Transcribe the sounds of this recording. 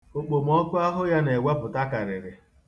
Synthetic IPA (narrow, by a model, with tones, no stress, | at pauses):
o˨k͡po˨m̩˨ɔ˦kʊ˦a˦ɦʊ˦ja˦ne˨we˦pʊ˨ta˦ka˨ɾɪ˨ɾɪ˨